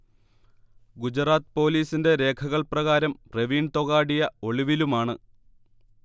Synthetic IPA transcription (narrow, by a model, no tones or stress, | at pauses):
ɡud͡ʑraːt̪ɨ̥po̞ːliːsinde̞ɾe̞ːkʰɐɣɐɭprɐɣaːɾɐmre̞ʋiːɳt̪o̞ɣaːɽijɐo̞ɭiʋilumaːɳɨ